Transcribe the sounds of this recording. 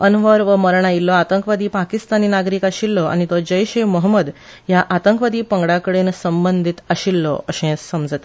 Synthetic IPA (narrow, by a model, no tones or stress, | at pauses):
ənʋəɾʋəməɾɳ̃ailːɔat̪əŋkʋad̪iːpakist̪aniːnaɡɾiːkaɕilːɔa̰ñit̪ɔd͡ʑəjɕeməɦəməd̪ | jaʔat̪əŋkʋad̪iːpəŋɡɽakəɽensəmbənd̪ʱit̪aɕilːɔ̰əɕẽsːəmd͡zət̪